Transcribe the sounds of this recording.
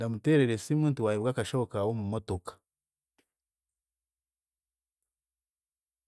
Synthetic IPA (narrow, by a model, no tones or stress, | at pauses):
damute̞ːɾeɾesimuːntuwajiβwaːkaʃo̞βo̞kawo̞mumoto̞kḁ